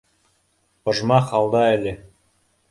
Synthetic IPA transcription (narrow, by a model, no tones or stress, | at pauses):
ŏʒmɑχɑlˠd̪ɑælʲɘ